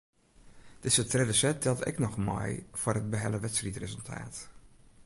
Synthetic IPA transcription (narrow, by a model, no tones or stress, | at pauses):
d̥ɪzətrɪdəsɛt̚dɛlˠtɪ̰knɔχmɔ̰jv̥ʊːrɦəd̚bəɦɛləʋɛtsritrezəlˠtʰa̰ːt